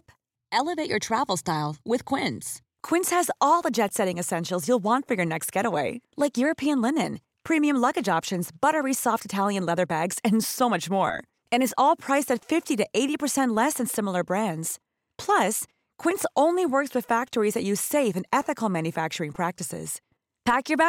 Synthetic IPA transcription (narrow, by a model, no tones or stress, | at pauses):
p | ɛlˠəveɪt͡ʃə˞tʰɹ̥ævl̩ˠstaɪlˠwɪð̥kʰw̥ɪ̃ns | kʰw̥ɪ̃nshɨzɔlˠðəd͡ʒɛtsɛɾɪ̃ŋɨsɛ̃nʃl̩ˠzjulˠwɑ̃ntfə˞jə˞nɛkst̚ɡ̥ɛɾəweɪlaɪkjʊɹɨpʰiɨ̃nlɪnɨ̃n | pʰɹ̥ĩmiɨ̃mlʌɡɨd͡ʒɑpʃɨ̃nzbʌɾə˞isɔftɨtʰælˠjɨ̃nlɛðə˞bæɡz̥ɨ̃nsoʊmʌt͡ʃmɔ̰ɹ | ɨ̃ñɨzɔlˠpʰɹ̥aɪsɨtfɪftiɾɨʔeɪɾipʰə˞sɛ̃nʔˡlɛsɨ̃nsɪ̃ml̩ˠə˞bɹæ̃ndz̥ | pʰl̥ʌs | kʰw̥ɪ̃nsʔõʊ̃nliwɜ˞kswɨð̥fæk̚tə˞izðɨt͡ʃɨ̥seɪfɨ̃nɛθɨkl̩ˠmæ̃njɨfæk̚t͡ʃə˞ɪ̃ŋpʰɹ̥æk̚tɨsɪ̰z̥ | pʰækjə˞bæ